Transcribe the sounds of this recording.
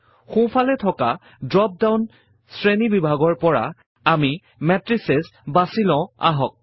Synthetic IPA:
xũpʰalɛtʰɔka | dɹɔp̚dawn | sɹenibibʱaɡɔɹpɔɹa̰ | ami | mɛtɹisesbasilɔ̃a̰ɦɔk̚

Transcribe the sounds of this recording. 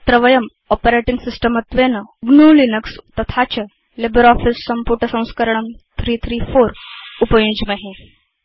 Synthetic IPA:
t̪ɾɐʋɐjɐm | ɔpəɾeʈiŋɡsisʈəmət̪ʋenɐɡnuːlinəkst̪ɐt̪ʰat͡ɕɐ | lebəɾɔːfisːɐmpuɾʈəsɐ̃w̃skəɾəɳɐmt̪ʰɾiːt̪ʰɾiːfoːɾupɐjũd͡ʑmɐɦẽ

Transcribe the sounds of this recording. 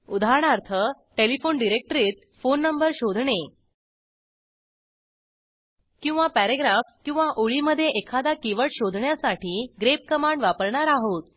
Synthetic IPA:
ud̪ʱaɾəɳaɾt̪ʰə | ʈelifoɳɖiɾek̚ʈɾiːt̪̚ | fonːəmbəɾɕod̪ʱɳe | kĩw̃ʋapæɾeɡɾafkĩw̃ʋaʔoɭiməd̪ʱːjeʔekʰad̪akiʋəɭɕod̪ʱɳjasaʈiːɡɾep̚kəmaɳɖʋapəɾɳaɾaɦot̪̚

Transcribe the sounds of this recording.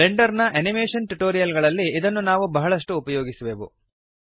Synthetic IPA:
leɳɖɐɾnɐʔɐnimeːʂɐnʈuʈoːɾijɐlɡɐɭɐlːiːd̪ɐnːunaːʋubɐɦɐɭɐʂʈuːpɐjoːɡisuʋeːʋṵ

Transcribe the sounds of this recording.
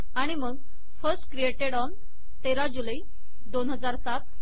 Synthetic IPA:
aɽ̃iməɡ | fəɾsʈkɾieʈeɽɔn | t̪eɾad͡ʑuləi | d̪onɦəd͡zaɾsat̪

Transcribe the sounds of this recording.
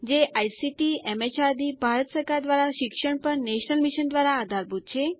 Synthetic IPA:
d͡ʒeʔajsiʈiɛmet͡ʃaɾd̪ibʱaɾət̪səɾkaɾd̪ʋaɾaʃɪkʃəɳpəɾneʃnəlmiʃənd̪ʋaɾaːd̪ʱaɾbʱut̪̚t͡ʃʰe

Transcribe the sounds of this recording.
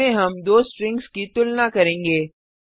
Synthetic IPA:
ẽɦɐmd̪oːsʈɾɪ̃ŋɡskit̪ʊlnakɐɾẽːŋɡeː

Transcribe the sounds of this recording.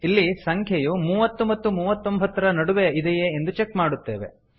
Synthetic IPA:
ilːisɐŋkʰjɐjumuːʋɐt̪ːumɐt̪ːumuːʋɐt̪ːo̞mbʱɐt̪ːɐɾɐnɐɽuʋeid̪ɛjeːnd̪ut͡ʃekmaːɽut̪ːe̞ːʋe̞̰

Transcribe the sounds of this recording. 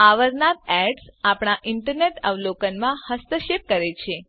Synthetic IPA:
aʋəɾnat̪̚ɛɖsapɳ̃aʔɪɳʈəɾneʈəʋlokənmãhəst̪əʃep̚kəɾet͡ʃʰe

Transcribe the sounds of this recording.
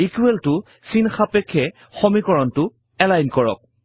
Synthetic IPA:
ikuɛltʊ | sinxapɛkʰːɛ | xɔmikɔɹɔntʊ | ɛlajnkɔɹɔ̰k̚

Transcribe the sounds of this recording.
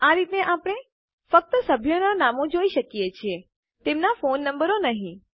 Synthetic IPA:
aɾit̪neʔapəɽ̃e | fək̚t̪əsəbʱjonanamod͡ʒoiʃəkijet͡ʃʰie | t̪emnafonːəmbəɾonəɦĩ

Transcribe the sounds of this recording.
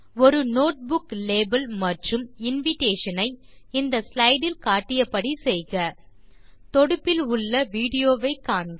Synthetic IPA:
ɔɾɯnoːʈ̚bʊkleːbɐlmɐʈrɯmɪnʋɪʈeːʂɐnɐɪ | ɪnd̪ɐslɐɪɽɪlkaːʈːɪjɐpːɐɽisɛjɣɐ | t̪ɔɽɯpːɪlʊɭːɐʋiːɽɪjoːʋɐɪkːaːɳɡɐ

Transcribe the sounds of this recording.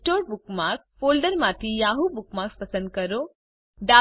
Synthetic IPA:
ʈoːɾbʊkmakfoːlɖəɾmãt̪ʰijaːɦubʊkmakspɐsə̃nd̪̚kəɾo | ɖa

